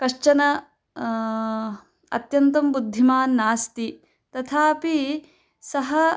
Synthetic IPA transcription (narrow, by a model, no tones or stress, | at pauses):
kɐʂt͡ʃɐnɐ | ɐ̰t̪jɐnt̪ɐmbud̪ʱːimaːnːaːst̪i | t̪ɐt̪ʰaːpi | sɐɦɐ